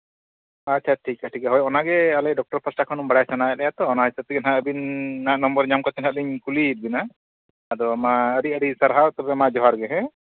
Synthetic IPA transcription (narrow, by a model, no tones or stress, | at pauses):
atːt͡ʃʰaʈʰikaʈʰikaɦɔjɔnaɡɛalɛɖɔk̚ʈɔɾpʰasʈakʰɔnɔmbaɽajsanajɛlɛjat̪ɔːnaɦisət̪iɡənɦaəbinːanɔmbəɾɲamkɔt̪ɛnaliɲkuliːt̪̚binaː | d̪ɔamaəɾiəɾisaɾɦat̪ɔbɛmad͡ʒɔɦaɾɡɛɦɛ̃